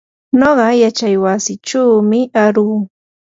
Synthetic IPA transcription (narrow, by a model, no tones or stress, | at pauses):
noɢɑjat͡ʃajwasɪʈ͡ʂaːmɪaɾuː